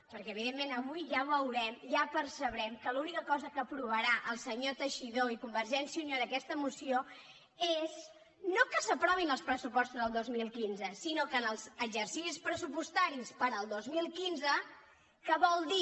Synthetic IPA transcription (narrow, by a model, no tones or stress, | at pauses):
pəɾkɛəβ̞iðemːenəβujʒaβəwɾɛmʒapəɾrsəβɾɛmkəlunikəkɔzəkəːpɾuβ̞əɾaʔəlˠsəɲot̪əʃiðoikumbəɾʒɛnsjiunioðəkɛst̪əmusio | ez | nokəsəpɾɔβinəlˠspɾəsupɔst̪uzðəlˠd̪ozmilˠkinzəsinokənəlˠzəɡzərsisispɾəsupust̪aɾispəɾəlˠd̪ozmilˠkinzə | kəβɔlˠd̪i